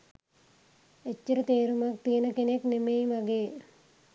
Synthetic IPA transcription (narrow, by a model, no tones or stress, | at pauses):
et͡ʃːəɾət̪eːɾumak̚t̪iənəkeneknemejmaɡeː